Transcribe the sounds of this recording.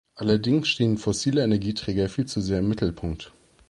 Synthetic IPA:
ʔalɐdɪŋsʃteːənfɔsiːləenɛɐɡiːtʁ̥ɛːɡɐfiːlt͡suzeːɐɪmːɪtl̩pʰʊŋk̚t

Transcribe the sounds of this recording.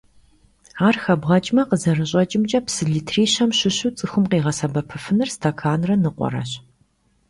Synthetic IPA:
aːrxɐbʁɐt͡ʃʼmɐqəzɐrɨɕ̬ʷʼɐt͡ʃʼɪmt͡ʃʼɐpsɨɮiːtʰriːɕɐmɕɪɕut͡sʼɨxʷʊmqeːʁɐsɐbɐpʰɨfɨnɨrstʰɐkʰaːnrɐnɨqʷɔ̰ɾɐ̰ɕ

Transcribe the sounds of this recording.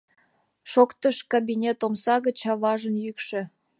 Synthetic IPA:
ʃokt̪əʃkabʲinʲet̪omsɑɣət͡ɕɑβɑʒənjykʃĕ

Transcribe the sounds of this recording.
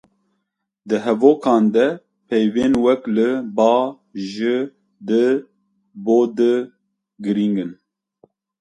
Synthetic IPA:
d̪ɨɦɛvoːkʰɑːnd̪ɛ | pʰɛjveːnwɛklɨbɑː | ʒɨ | d̪ɨ | boːd̪ɨ | ɡɨɾiŋɡɨn

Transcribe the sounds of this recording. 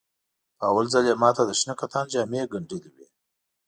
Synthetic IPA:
pəawalzaljemɑt̪ad̪əʃnəkat̪ɑnd͡ʒɑmeɡaɳɖəliwi

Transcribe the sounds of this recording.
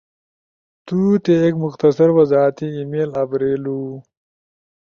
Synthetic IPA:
t̪ut̪eːkmʊxt̪ɐsɐɾwɐzɑːt̪iimeːlɐbɾeːlu

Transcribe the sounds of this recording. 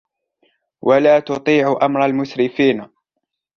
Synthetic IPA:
wʔalaːt̪ʊt̪ˤiːʕʊʔamɾˤɑlmʊsɾɪfiːn

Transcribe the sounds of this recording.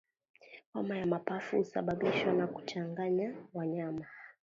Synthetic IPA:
kamajamapafuhusa̰ɓaɓiʃwanaku̥t͡ʃaŋɡaɲawaɲama

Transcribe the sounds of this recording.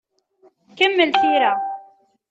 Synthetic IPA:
kamːɪlfiːɾa

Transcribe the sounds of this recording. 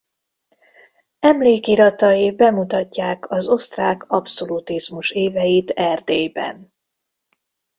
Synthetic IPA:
ɛmleːkiɾɒt̪ɒjibɛmut̪ɒcːaːkʰɒzo̞st̪raːkɒpso̞lut̪izmuʃeːvɛjit̪ɛrd̪eːjbɛ̰n

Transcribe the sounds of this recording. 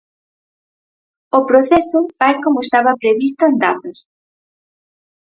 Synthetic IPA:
opɾoθesʊbajkomʊest̪aβɐpɾeβist̪ʊend̪at̪os

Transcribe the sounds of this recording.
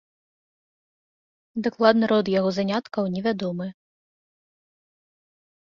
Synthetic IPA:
d̪aklˠad̪nɨɾɔd̪jaɣɔzanʲat̪kɐwnʲɛvʲad̪ɔmɨ

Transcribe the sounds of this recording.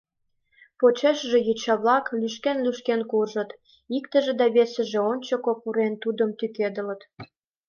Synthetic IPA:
pot͡ɕeʃəʒĕjyt͡ɕɑβlɑklyʃkenlyʃkenkurʒə̆t̪ | ikt̪ə̆ʒĕd̪ɑβesə̆ʒĕonʲt͡ɕokopuɾent̪ud̪əmt̪yked̪ələ̆t̪

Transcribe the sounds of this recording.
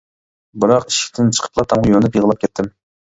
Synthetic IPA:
bɨɾɑqiʃɪ̥kʲt̪ʰɪnt͡ʃʰə̥qʰə̥plˠɑt̪ʰɑmʁʊjonɨpjəʁəlˠɑp̚kʲʰɛt̪ʰːɪm

